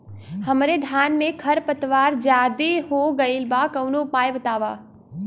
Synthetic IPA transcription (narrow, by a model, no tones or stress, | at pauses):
hɐmɾed̪ʱjaːnmẽkʰɐɾpət̪ʋaːɾd͡ʒjaːd̪eɦoɡɐilbakɐwnopaːjbɐt̪aːʋaː